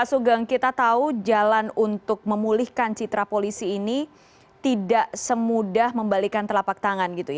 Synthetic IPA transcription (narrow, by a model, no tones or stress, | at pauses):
asuɡaŋkit̪at̪aud͡ʒalanunt̪ʊk̚məmulɪhkant͡ʃit̪ɾapolisiːni | t̪idaʔsəmudahməmbalikant̪əlapak̚t̪aŋanɡit̪uja